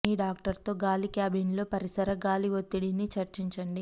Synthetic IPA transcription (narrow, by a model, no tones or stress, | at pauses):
iːɖaːk̚ʈɐɾt̪o̞ːɡaːlikaːbinlo̞ːpɐɾisɐɾɐɡaːliʋot̪ːiɽinit͡ʃɐɾt͡ʃiɲt͡ʃɐɳɖi